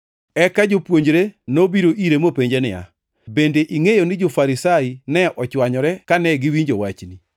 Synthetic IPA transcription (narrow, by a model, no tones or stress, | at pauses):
ɛkad͡ʒopwoɲd͡ʒɾenobiɾoʔiɾemopeɲd͡ʒenɪ̰ja̰ | bendeʔiŋejonɪd͡ʒofaɾisainɛʔɔt͡ʃwaɲɔɾɛkanɛɡɪwiɲd͡ʒowat͡ʃni